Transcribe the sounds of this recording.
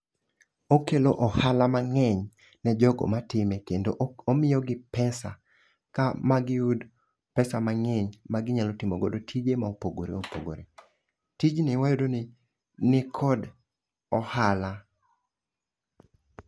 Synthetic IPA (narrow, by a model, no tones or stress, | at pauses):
okeloʔɔhalamaŋɛɲ | nɛd͡ʒɔɡɔ̰matɪmekendoomɪjɔɡɪpɛsa | kamaɡɪud | pɛsamaŋɛɲmaɡɪɲalotimoɡodotʰid͡ʒemaopoɡoɾḛopo̰ɡo̰ɾe | tid͡ʒnɪwajodon | nɪkʰɔd | ɔhala